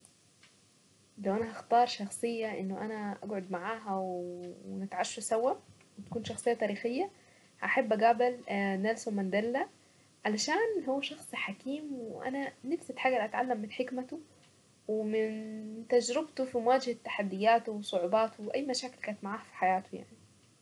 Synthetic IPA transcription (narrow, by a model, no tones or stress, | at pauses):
læwʔænæhɑxt̪ɑːɾˤʃɑxsˤejːɑʔɪ̰nːoʔænæʔæ̰ɡʕod̪maʕaːɦæwwnɪt̪ʕaʃːsæwːæ | wɪt̪æ̥kuːnʃɑxsˤejːɑt̪æːɾiːxejːæ | hæʔaħabːʔæɡæʕbɪlnælsomænd̪ælːæ | ʕalæʃaːnɦowːæʃɑxsˤħakiːmweʔæ̰nænɪfset̪ħaːɡælʔæt̪ʕalːæmːɪnħekmæt̪o | wemɪnt̪æd͡ʒɾɪbt̪ofimowaːd͡ʒhæt̪ːḁħad̪ːɪjːæːt̪owsˤoʕubɑːt̪wʔæjːmæʃaːkɪlkæːnet̪maʕaːhfi̥ħajaːt̪oja̰ʕni